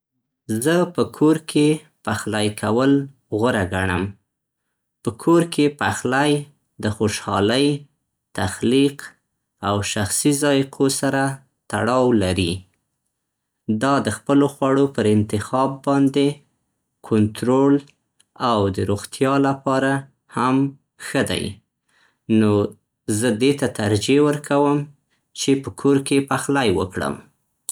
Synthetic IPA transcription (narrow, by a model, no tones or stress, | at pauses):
zəpəkʰoɾkʰe | paxlajkʰawəl | ɣʊɾaɡaɳə̰m | pəkʰoɾkʰepaxlaj | d̪əxoʃɑ̰ləj | t̪axliq | awʃaxsizɑjqʰosaɾa | t̪a̰ɽɑwlaɾi | d̪ɑd̪əxpəloxwɑɽopəɾɪnt̪ɪxɑbːɑnd̪e | kʰʊnt̪ɾol | awd̪əɾoɣt̪ʰjɑlapɑɾa | ham | xəd̪a̰j | no | zəd̪et̪at̪aɾd͡ʒewəɾkʰawəm | t͡ʃepəkʰoɾkepaxlajwə̰kɽə̰m